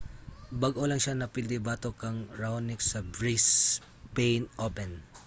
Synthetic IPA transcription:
bɐɡʔolɐŋʃanɐpɪld̪ɪbaːt̪okɐŋɹawnɪksɐbɹis | pejnʔopɛn

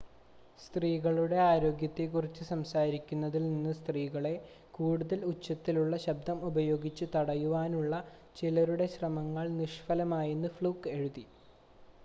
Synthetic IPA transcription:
st̪riːɣɐɭuɽe̞aːɾo̞ːɡjɐt̪ːekurit͡ɕːɨsɐmsaːɾikʲːunːɐðilninːɨst̪riːɣɐɭe̞ | kuːɽuðɐlut͡ɕːɐt̪ːiluɭːɐɕɐb̚d̪ʱɐmubɐjo̞ːɡit͡ɕːɨt̪ɐɽɐjuʋaːnuɭːɐ | t͡ɕilɐɾuɽe̞ɕrɐmɐŋːɐɭniʂfɐlɐmaːjunːɨfɭuːke̞ɻuði

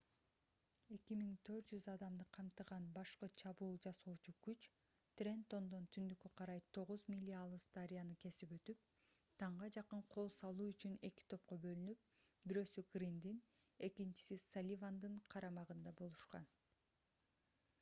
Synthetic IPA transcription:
e̞kimiŋt̪ʰø̞ɾt̪̚d͡ʒyzɑd̪ɑmd̪ɯqʰɑmt̪ɯʁɑnbɑʃqɯt͡ʃʰɑβuːlˠd͡ʒɑsoːt͡ʃukyt͡ʃ | t̪rʲe̞nt̪o̞nd̪o̞nt̪ʰynd̪ykøqʰɑɾɑjt̪ʰo̞ʁuzmʲilʲːialˠɯst̪aɾʲijanɯke̞sipø̞t̪yp̚ | t̪ʰɑɴʁɑd͡ʒɑqɯɴqʰo̞lˠsɑlˠuːyt͡ʃyne̞ki̥t̪ʰo̞p̚qo̞bø̞lynyp̚ | biɾø̞ːsyɡrʲind̪in | e̞kint͡ʃi̥sisalʲivand̪ɯɴqʰɑɾɑmɑʁɯnd̪ɑbo̞lˠuʃqɑ̰n

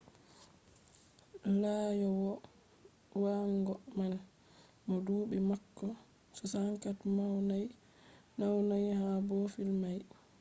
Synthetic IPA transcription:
laːjɔwɔ | waŋɡɔman | mɔduːɓimakːɔ | sɔsaŋkatmawnaj | nawnajhabɔfilmaj

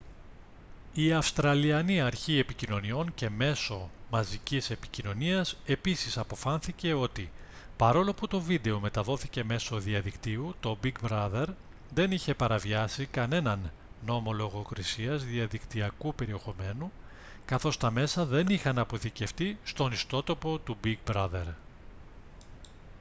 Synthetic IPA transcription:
iɐfst̪ɾɐliɐniɐɾçie̞picino̞nio̞nce̞me̞so̞mɐzicise̞pi̥cino̞niɐse̞pisisɐpo̞fɐnθice̞o̞t̪i | pɐɾo̞lo̞put̪o̞vid̪e̞o̞me̞t̪ɐðo̞θice̞me̞so̞ðiɐðikt̪iut̪o̞biɡbɾɐðe̞ɾ | ðe̞niçe̞pɐɾɐviɐsikɐne̞nɐnː | o̞mo̞lo̞ɣo̞kɾisiɐzðiɐðikt̪iɐkupe̞ɾie̞xo̞me̞nu | kɐθo̞st̪ɐme̞sɐðe̞nixɐnɐpo̞θice̞ft̪ist̪o̞nist̪o̞t̪o̞po̞t̪ubiɡ̚bɾɐðe̞ɾ

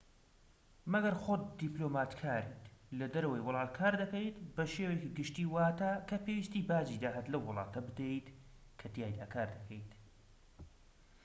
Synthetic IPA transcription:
mɐɡɐɾxot̪̚d̪iplomaːt̪kʰaːɾiːt̪lɐd̪ɐɾɐwɐjwʊlˠɑːt̪̚kʰaːɾd̪ɐkɐjt̪bɐʃewejkɨɡɨʃt̪iːwaːt̪akʰɐpʰewiːst̪iːbaːd͡ʒid̪aːɦɐt̪lɐwːʊlˠɑ̰ːt̪ʰɐbɨd̪ejt̪kʰɐd̪ijaːjd̪aːkʰaːɾd̪ɐkʰəjt̪

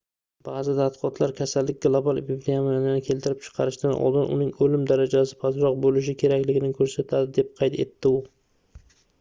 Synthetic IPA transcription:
b̥aːzɪd̪at̪qʰɒt̪ʰlaɾkʲʰasald̪ːɪk̚ʲɡlˠobalˠpiblejamaanɪnɪkʲʰe̞lt̪ɪɾɪp̚t͡ʃʰɨ̥qʰɑɾɪʃd̪anʔɒ̰lˠd̪ɪnʔʊ̰nɪŋɵlɪmd̪aɾad͡ʒasɪ̥pʰazɾɒq̚bolɪʃ̬ɪkʲʰe̞ɾakʲlɪɡʲɪnɪkʰɵɾsat̪ʰad̪ɪd̪e̞p̚qʰɑjt̪ʰe̞̰t̪ʰːɪʊ

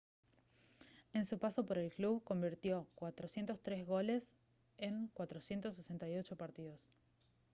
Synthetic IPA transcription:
e̞nsupaso̞po̞ɾe̞lkluβko̞mbiɾt̪jo̞kwat̪ɾosje̞nt̪o̞st̪ɾe̞zɣo̞le̞s | eŋkwat̪ɾo̞sje̞nt̪os̬ːese̞nt̪ajo̞t͡ʃo̞paɾt̪iðo̞s

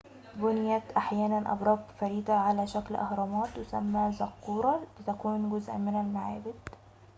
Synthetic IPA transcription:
bʊnjæt̪ʔaħjæːnænʔɑ̰bɾˤɑːb̪ˤfæɾiːd̪aʕalæːʃæklʔɑ̰hɾˤɑmɑːt̪wɪsæ̰mːæzɑqːuːɾˤɑlɪt̪ækuːnɡʊzʔæ̰mɪnælmaʕaːbɪd̪

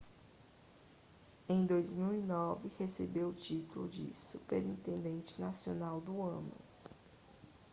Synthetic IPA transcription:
ẽj̃d̪ojzmiwinɔvɪhesebewʊt͡ʃit̪ulʊ̰d͡ʒɪ̰supeɾĩnt̪ẽnd̪ẽnt͡ʃɪ̥nasionawd̪ʊɐ̃nʊ̰

